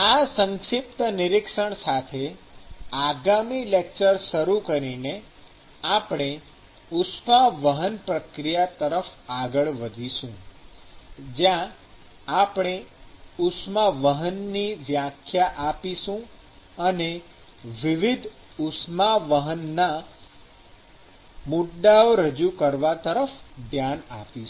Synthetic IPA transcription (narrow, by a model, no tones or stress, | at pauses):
asə̃ŋʃɪp̚t̪ənɪɾɪkʃəɳsat̪ʰe | aɡamilek̚t͡ʃəɾʃəɾukəɾine | apɽ̃e | ʊsmaʋəɦənpɾəkɾijat̪əɾəfaɡəɭʋəd̪ʱiʃũ | d͡ʒjã | apɽ̃eʊsmaʋəɦənːiʋjakʰjaʔapiʃũ | əne | ʋiʋid̪ʱ | ʊsmaʋəɦənːa | mʊɖaoɾəd͡ʒukəɾʋat̪əɾəfd̪ʱjana̰pi